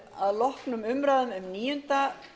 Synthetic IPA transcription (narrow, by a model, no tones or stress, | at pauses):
aðlɔhknʏmʏmɾaðʏmʏmniːjʏnt̪a